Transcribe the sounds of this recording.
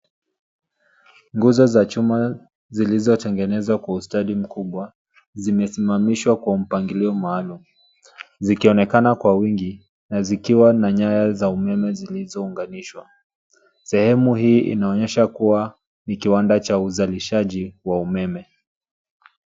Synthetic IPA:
ŋɡuzɔzat͡ʃuma | zilizɔtɛŋɡɛnɛzwakwaustalim̩kuɓwa | zimɛsimamiʃwakwam̩paŋɡiliɔmaːlumu | zikiɔnɛkanakwawiŋɡi | nazikiwanaɲajazaumɛmɛzilizɔuŋɡaniʃwa | sɛhɛmuhiːʔḭnaɔɲɛʃakuwa | nikiwandat͡ʃauzaliʃaʄiwaumɛmɛ

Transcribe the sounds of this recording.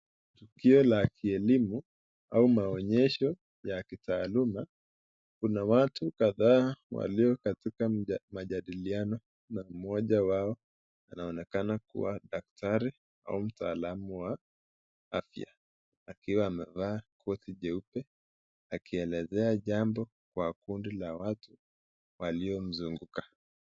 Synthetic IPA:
tukiɔlakʰiɛlimu | aumaɔɲɛʃɔ | jakitaːluma | kunawatukaðaːwa̰liɔkatikamaʄaɗilianɔ | nam̩mɔʄawaɔ | anaɔnɛkanakṵwaɗak̚taɾi | a̰um̩taːlamuwa | afja̰ | akiwaːmɛvaːkʰɔθiʄɛupɛ | akiɛlɛzɛaʄambɔ | kwakundilawatu | waliɔm̩zuŋɡukḁ

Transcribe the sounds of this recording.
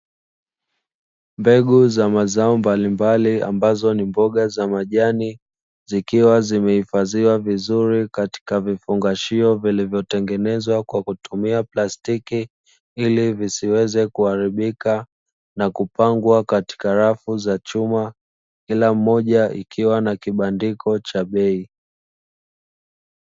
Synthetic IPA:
mbɛɠuzamazaɔmbalimbalia̰mbazɔnimbɔɠazamaʄani | zikiwazimɛhifaziwavizuɾikati̥kavifuŋɡaʃiɔvilivjɔtɛŋɡɛnɛzwakwakutumiaplastiki | ilivisiwɛzɛkuaɾiɓika | nakupaŋɡwakati̥kaɾafuzat͡ʃuma | kilam̩ːɔʄaikʰiwanakiɓandikʰɔt͡ʃaɓɛi

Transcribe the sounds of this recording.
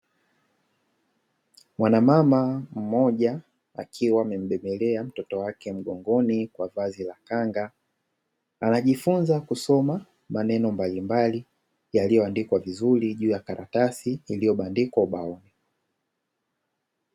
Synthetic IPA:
mwanamamam̩mɔʄa | a̰kʰiwaːmɛm̩ɓɛmɛlɛam̩tɔtɔwakɛm̩ɠɔŋɡɔnikwavazilakaŋɡa | anaʄifunzakusɔma | manɛnɔmbalimbali | jalijɔandikwavizuɾiʄuːjakaɾʔatasiːlijɔɓandikwauɓaɔni

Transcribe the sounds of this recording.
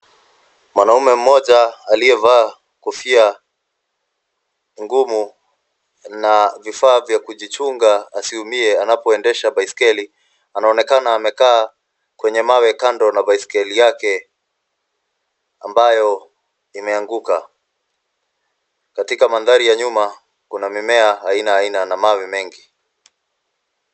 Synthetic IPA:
mwanaumɛm̩mɔʄaaliɛvaː | kufia | ŋɡumu | navifaːvjakuʄit͡ʃuŋɡaːsiumiɛanapɔɛndɛʃaɓaiskɛli | anaɔnɛkanaːmɛkaː | kwɛɲɛmawɛkandɔnavaiskɛlijakɛ | ambajɔ | imɛaŋɡuka | katikamanðaɾijaɲuma | kunamimɛaainaːinanamawimɛŋɡi

